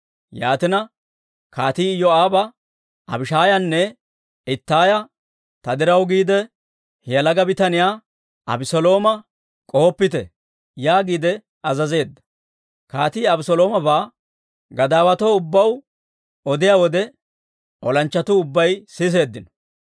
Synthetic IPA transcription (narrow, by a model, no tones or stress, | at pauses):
ja̰ːt̪ɪnɐ | kaːt̪iːɪjːɔaːbɐ | ʔɐbɪʃaːjɐnːɛ | ɪt̪ːaːjɐ | t̪ɐd̪ɪɾɐwɡiːd̪ɛ | hɛjɐlɐɡɐbɪt̪ɐnɪjaː | ɐ̰bɪsɔlo̞ːmɐ | kʼo̞ːpːɪt̪ɛ̰ | jaːɡiːd̪ɛ | ɐzɐze̞ːd̪ːɐ̥ | kaːt̪iːɐbɪsɔlo̞ːmɐbaː | ɡɐd̪aːwɐt̪oːʊbːɐw | ɔd̪ɪjaːwɔd̪ɛ | ʔɔlɐnt͡ʃːɐt̪ʊʊbːɐjsɪs̬e̞ːd̪ːɪnɔ̥